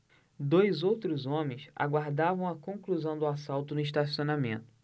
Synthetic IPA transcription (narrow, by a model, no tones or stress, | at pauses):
d̪ojzowt̪ɾʊzõmẽj̃sa̰ɡwaɾd̪avɐ̃w̃ɐkõkluzɐ̃w̃d̪ʊasawt̪ʊnʊiʃ̬t̪asionamḛ̃nt̪ʊ̥